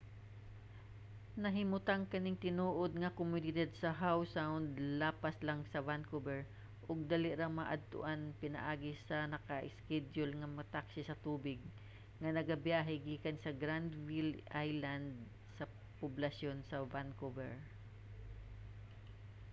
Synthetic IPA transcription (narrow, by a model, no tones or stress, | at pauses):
nɐɦɪmʊt̪aŋkɐnɪŋt̪ɪnuːʔod̪̚ŋɐkʊmʊnɪd̪ad̪̚sɐɦawsawnd̪laːpaslaŋsɐvankobɛɹ | ʔʊɡ̚d̪aːlɪʔɾaŋmaʔɐ̰d̪̚t̪ʊ̰ʔanpɪnɐ̰ʔaːɡɪsɐnɐkɐʔɪskɛdd͡ʒʊlŋɐmɐt̪aksɪsɐt̪uːbɪɡ̚ | ŋɐnɐɡɐbjaːɦɪɡiːkɐnsɐɡɾand̪vɪlʔajland̪̚ | sɐ | pʊblɐsjonsɐvankovɛɹ